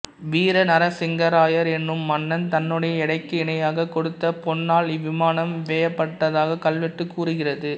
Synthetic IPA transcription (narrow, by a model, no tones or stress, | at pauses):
ʋiːɾɐnɐɾɐsɪŋɡɐɾaːjɐɾɛnːɯmːɐnːɐnt̪ɐnːɯɽɐjɐɪɽɐɪkːɯɪɳɐjaːɣɐkɔɽɯt̪ːɐpɔnːaːlɪʋɪmaːnɐmʋeːjɐpːɐʈːɐðaːɣɐkɐlʋɪʈːɯkːuːɾɯɣɪrɐðɯ